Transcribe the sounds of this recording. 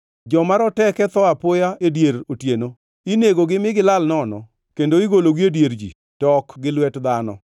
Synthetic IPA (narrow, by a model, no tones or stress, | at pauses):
d͡ʒɔmaɾɔtɛkɛt̪ɔapʊjaedjeɾotjeno | ineɡoɡɪmɪɡɪlalnɔnɔ | kendoiɡoloɡiedjeɾd͡ʒḭ | tɔkɡɪlwɛtd̪anɔ̰